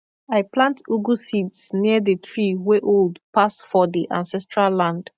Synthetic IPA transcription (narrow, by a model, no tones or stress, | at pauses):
ajplãntuɡusidsniəðətʰɹiweʔoldpasfɔdiʔã̰nsɛstɹalːãnd